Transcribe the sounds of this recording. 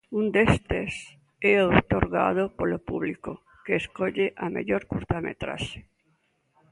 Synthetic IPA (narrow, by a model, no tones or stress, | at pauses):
ũnd̪est̪es | ɛot̪oɾɣa̰ð̞opolopuβliko | keːskoʎeʔamḛʎoɾkuɾt̪amḛt̪ɾa̰ʃe̥